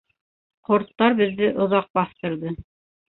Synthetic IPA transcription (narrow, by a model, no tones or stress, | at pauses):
qŏɾt̪ːɑɾbɘ̆ðːɘʔŏðɑq̚bɑθt̪ɤ̆ɾðɤ